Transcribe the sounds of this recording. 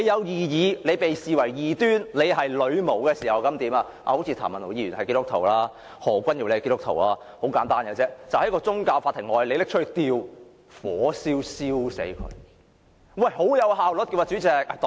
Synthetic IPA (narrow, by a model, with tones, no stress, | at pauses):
e˨˧jɐ˨˧wjiː˨˧jiː˨˧le˨˧jpe˨jsiː˨˩wɐ˨˩jjiː˨t̪yː˥nle˨˧jɦɐ˨jlɵ˨˧ɥmo˨˩wkɛː˧siː˨˩hɐ˨wkɐ˨˥mt̪iː˨˥maː˧ | ʔa̰ː˧o˨˧˥wt͡sʰiː˧aː˨˩mɐ˨no˨˩jiː˧˩ɥyː˨˩nhɐ˨jkiː˥t̪ʊ˥t̪ʰo̰˨˩wlaː˥ | hɔː˨˩kʷɐ˥nji˨˧wle˧ki˥t̪ʊ˥kt̪ʰo̰˨˩wlaː˧ | ho˨˥wkaː˨˥nt̪aː˥nkɛ˧t͡sɛː˥t͡sɐ˨whɐ˨˥jkɔː˧t͡sʊ˥ŋkaː˧wfaː˧t̪ʰːɪ˨˩ŋɔː˨jle˨˧lɪ˥k̚t͡ʃʰːt̪iː˧w | fɔː˨˥siː˥wsiː˥wsḛ˨˥jkʰɵ̰˨˧ɥ | wɐ˥˩jho˨˥wjɐ˨˧wɦaː˨wlʊ˨˥t̚ki˧waː˧t͡ʃyː˨˥t͡sɛː˨k̚t̪ː